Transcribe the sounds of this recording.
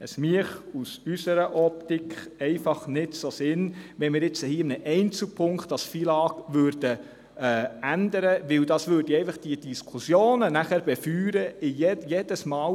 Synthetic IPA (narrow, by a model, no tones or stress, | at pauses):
əsmiəχusysəɾəʔɔp̚tikʰχɛɪfɑχnɪdsosɪnʋɛnmɪːɾjɪt͡səhiːɪmnəʔɛɪnt͡sl̩pʰʊŋkχt̚ɑsfilɑːɡ̥ʋøɾd̥ə | ænd̪əɾəʋɪwdɑsʋøːɾd̥əɛɪfɑχd̥iəd̥iskʰusjoːnənæχæɾb̥ɛfyːɾəɪjɛjed̥əsmɑːw